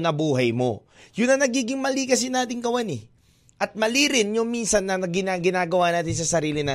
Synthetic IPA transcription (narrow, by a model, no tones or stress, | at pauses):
nɐbuːɦɐjmo̞̰ | jʊnːɐnɐɡiːɡɪŋmɐlikɐs̬ɪnaːt̪ɪŋɡɐwanɛ | ʔɐt̪̚mɐliːɾɪnjʊŋminsɐnːɐɐɡɪnaɡɪnaːɡɐwaːnaːt̪ɪns̬ɐsɐɾiːlɪnɐ